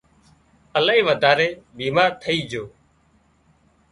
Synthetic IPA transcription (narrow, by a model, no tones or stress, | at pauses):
əlaːĩːʋəd̪ʱaːɾeːbiːmaːɾt̪ʰəiːd͡ʒʱoː